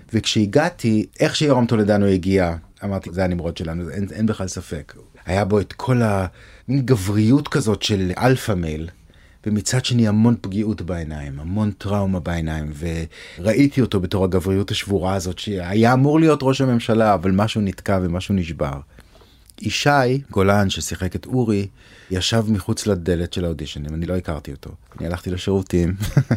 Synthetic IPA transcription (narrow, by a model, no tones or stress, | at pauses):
vekʃeiɡatʰiʔe̞χʃejoʁamt̪oladanujeɡia | amaʁtizeanimʁo̞tʃe̞lanuzenenbeχlalsafe̞k | ajabo̞etkʰo̞laminɡavʁijutkazo̞tʃe̞lʔa̰lfamel | vemit͡sad̥̪ʃe̞niamo̞npɡiutbaenaimamo̞ntʁawmabaenaimve̞ʁaʔitio̞to̞be̞to̞ʁaɡavʁijuthaʃvuʁaːzo̞tʃeajaːmuʁlijo̞tʁo̞ʃhame̞mʃalaːvalmaʃunitkavemaʃuniʃba̰ʁ | iʃajɡo̞lanʃesiχe̞ketuʁi | jaʃavmiχut͡slade̞le̞tʃe̞laodiʃonimanilo̞ikaʁtioto̞̰anḭalaχt̪ileʃeʁutim